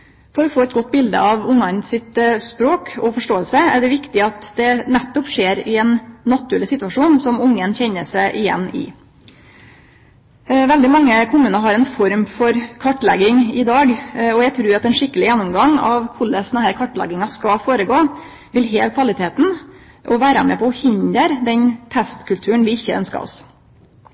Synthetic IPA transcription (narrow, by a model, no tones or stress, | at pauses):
fɔɾɔfoːɛt̪̚ɡɔt̪̚ːbɪld̪ə̰ɑʋʊŋːɑnsɪt̪spɾoːkʰɔfɔʂʈoːəlsəæɖɛʋɪkt̪ɪɑt̪d̪ɛnɛt̪ːɔpʂeːɾɪɛnːɑt̪ʉɛləsɪt̪ʉɑʂuːnsɔmʊŋːənçɛɲːəʂæɪʔɪjɛ̰nːɪ̰ | ʋɛld̪ɪmɑŋːəkʰʊmʉːnɑɦɑɾɛnfɔɾmfɔɾkʰɑʈːlɛɡɪŋɪd̪ɑːɡɔjæɡt̪ʰɾʉːɾɑt̪ɛnʂɪkːəlɪjɛnːʊmɡɑŋɑ̰ʋkʰʊləsd̪ɛnhæːɾkʰɑʈlɛ̰ɡɪŋɑskɑfoːɾəɡoː | ʋɪlɦeːlkʰʋɑlɪt̪ʰeːt̪n̩ | ʔɔʋæːɾəmḛːpʰɔɔhɪnd̪əɾd̪ɛnt̪ʰɛst̪kʰʉlt̪ʰʉːəɳʋɪɪçːəœ̰nskɑ̰ɔ̰s